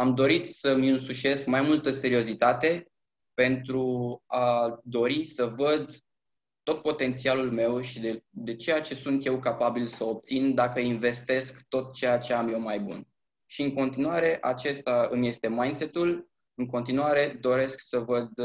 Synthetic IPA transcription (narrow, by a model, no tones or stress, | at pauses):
amd̪o̞ɾit̪səmʲɨnsuʃe̞skmajmult̪əse̞ɾio̞zit̪at̪e̞ | pe̞nt̪ɾuad̪o̞ɾisəvəd̪ | t̪ot̪̚po̞t̪e̞nt̪sialulme̞wʃid̪ed̪e̞t͡ʃe̞jat͡ʃe̞sunt̪je̞wkapabilsəop̚t̪sind̪akəinve̞st̪e̞skt̪o̞t̪̚t͡ʃe̞jat͡ʃe̞amje̞wmajbṵn | ʃiɨŋko̞nt̪inuaɾe̞ʔat͡ʃe̞st̪aɨmje̞st̪e̞majnse̞t̪ul | ɨŋko̞nt̪inuaɾe̞d̪o̞ɾe̞sksəvəd̪